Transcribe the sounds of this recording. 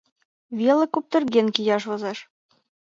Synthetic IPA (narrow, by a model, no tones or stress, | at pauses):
βʲelə̆kup̚t̪ɤ̆rɣenkijɑʃ̬βɤ̆zeʃ